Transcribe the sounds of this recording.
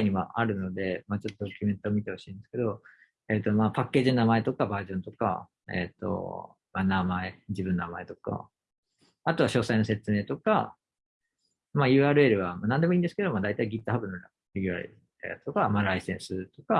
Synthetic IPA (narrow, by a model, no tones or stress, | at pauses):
ɲ̟ima̰ʔaɾɯ̟no̞d̪e̞maːt͡ɕo̞t̪ːod̪okʲymẽ̞nt̪oːmʲit̪e̞ho̞ɕĩːnd̪e̞sɨ̥ke̞d̪o̞ | et̪ːomaːpakːe̞ːʑinonamae̞t̪o̞kabaːʑõ̞nt̪o̞ka̰ | ḛt̪ːo̞̰ | manamae̞d͡ʑibɯ̃nːonamae̞t̪o̞ka̰ | at̪o̞βaɕo̞ːsaino̞se̞t͡sɨme̞ːt̪o̞ka | majɯ̟ːaːɾɯ̟e̞ɾɯ̟βamanãnd̪e̞mo̞ĩːnd̪esɨ̥ke̞d̪o̞maːd̪ait̪aiɡʲit̪ːoɦabɯ̟noɾa | ɾʲiɡʲɯɾa̰ɾḭ | a̰t̪okamaɾaisẽ̞ɰ̃sɨt̪o̞ka